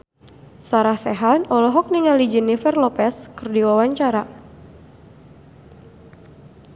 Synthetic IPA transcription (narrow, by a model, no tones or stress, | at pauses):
saɾahsɛɦanɔlɔɦɔk̚niŋalid͡ʒinifɛrlɔpɛskɨrdiwawaɲt͡ʃaɾa